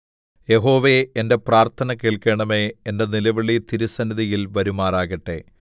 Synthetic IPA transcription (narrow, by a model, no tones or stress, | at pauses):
je̞ɦo̞ːʋe̞ende̞praːrt̪ʰɐnɐkeːɭke̞ːɳɐmeːende̞nilɐʋiɭit̪iɾusɐnːɐðijilʋɐɾumaːraːɣɐʈːe̞̰